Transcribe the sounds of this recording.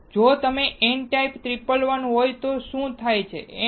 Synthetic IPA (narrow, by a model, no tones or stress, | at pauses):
d͡ʒot̪əmeʔeɳʈajpt̪ɾipəlʋənɦojt̪oʃũt̪ʰajt͡ʃʰḛ